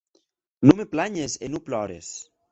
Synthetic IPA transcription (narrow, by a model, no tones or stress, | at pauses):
numeplaɲesenuplɔɾḛs